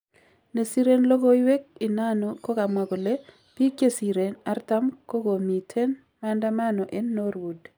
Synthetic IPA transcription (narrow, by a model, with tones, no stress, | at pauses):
ne˨si˦ɾenlɔ˦ɡɔ˦i˦we˦k̚ɪ˨na˦no˨ko˦ka˨mwa˨ɡɔ˨le˦ | pi˦kje˦si˨ɾe˨na˦rta˦mko˦ɡo˨mi˨tʰe˦n | manda˦manɔ˨ʔe˦nːo˦ɾwu˨d